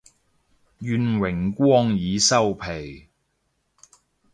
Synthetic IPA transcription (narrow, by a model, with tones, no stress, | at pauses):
jyː˨˧nwɪ˨˩ŋkʷɔː˥ŋjiː˨˧sɐ˥wpʰe˨˩j